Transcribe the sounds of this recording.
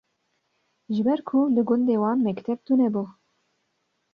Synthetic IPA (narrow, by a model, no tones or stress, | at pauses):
ʒɨbɛɾkʰulɨɡʊnd̪eːwɑːnmɛkt̪ʰɛb̚t̪unɛbu